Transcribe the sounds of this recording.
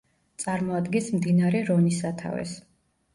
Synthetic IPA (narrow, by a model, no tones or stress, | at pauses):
t̪sʼaɾmɔad̪ɡɛnsmd̪inaɾɛɾɔnisat̪ʰa̰vɛ̰s